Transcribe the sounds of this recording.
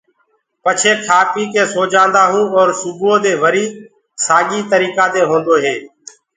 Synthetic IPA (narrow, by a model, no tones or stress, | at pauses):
pət͡ʃʰeːkʰaːpiːkeːsoːd͡ʒãːnd̪aːɦũːɔːɾsʊbuoːd̪eːʋəɾiː | saːɠiːt̪əɾiːkaːd̪eːɦõːnd̪oːɦeː